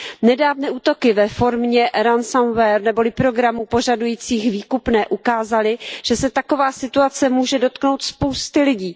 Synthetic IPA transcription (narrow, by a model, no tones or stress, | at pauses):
nɛdaːvnɛːʔuːt̪o̞kɪvɛfo̞ɾmɲɛɾansanvɛɾnɛbo̞lɪpɾo̞ɡɾamupo̞ʒadujiːt͡siːxviːkupnɛːʔukaːzalɪʒ̥ɛsɛt̪ako̞vaːsɪt̪uat͡sɛmuːʒɛdo̞t̪kno̞wt̪spo̞wst̪ɪlɪɟiː